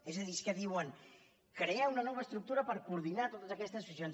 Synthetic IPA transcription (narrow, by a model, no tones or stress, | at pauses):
ezðəðiskəðiwəŋ | kɾeɛunɐnɔβaest̪ɾuk̚t̪uɾəpəɾkuɾðinat̪ot̪əzakɛst̪əsfizjon